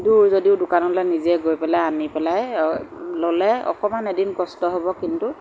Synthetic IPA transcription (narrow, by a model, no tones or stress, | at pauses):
duɹzodiʊdʊkanɔlajniziɛɡojpɛlajanipɛlaj | lolɛɔ̰kɔmanedinkɔstɔɦobɔkintu